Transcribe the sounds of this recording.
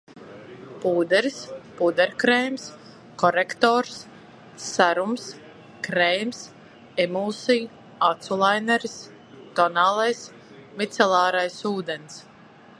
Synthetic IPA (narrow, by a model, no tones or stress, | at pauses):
puːd̪ɛɾspuːd̪ɛɾʲkɾɛjms | kɔɾekt̪ɔːɾs | saɾums | kɾɛjms | ɛmuːsij | at̪sulˠajnɛɾs | t̪ɔnaːlˠajs | mit̪sɛlˠaːɾajsuːd̪ens